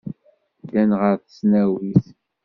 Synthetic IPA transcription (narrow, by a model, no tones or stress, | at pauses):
dænʁəɾθəsnæwiθ